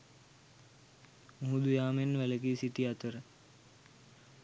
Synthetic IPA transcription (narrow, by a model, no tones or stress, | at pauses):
muɦud̪ujaːmenʋæləɡisit̪iat̪əɾə